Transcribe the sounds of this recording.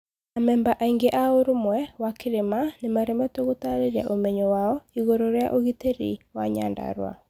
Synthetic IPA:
amɛmbaʔaiŋɡeʔaoɾomwɛwakʰeɾemanemaɾɛmɛtoɣotaɾeɾja̰ʔomɛɲɔwaɔiɣoɾoɾea̰ʔoɣiteɾḭwaɲa̰nda̰ɾwa̰

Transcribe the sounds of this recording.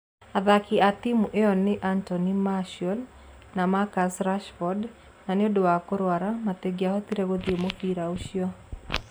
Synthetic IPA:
aðakiat̪imuʔeɔnɪʔantɔnimaʃɔl | namakasɾaʃfɔd | naneodowakoɾwaɾamat̪eɡiahɔt̪iɾeɣoðemofiɾauʃjɔ

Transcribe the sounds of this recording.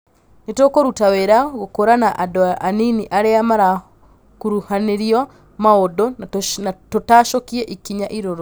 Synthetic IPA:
netokoɾutaweɾaɣokoɾanaʔadɔʔaniniʔaɾeamaɾa | kuɾuhaneɾiɔ | maodontotaːʃokiɛʔikiɲaʔiɾoɾo

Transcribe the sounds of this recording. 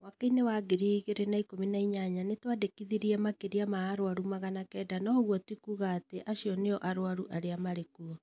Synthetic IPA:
wakainewaɡeɾiɣeɾenaikominaiɲaɲanetwadekiðiɾiɛmakeɾiamaːɾwaɾumaɣanakɛːdanɔɣwɔtwikuːɣaːteʔaɕiɔneɔʔaɾoaɾuʔaɾeamaɾekuɔ

